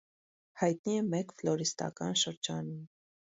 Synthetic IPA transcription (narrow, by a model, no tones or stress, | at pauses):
hɑjt̪niɛmɛkflɔɾist̪ɑ̰kɑnʃəɾd͡ʒɑnum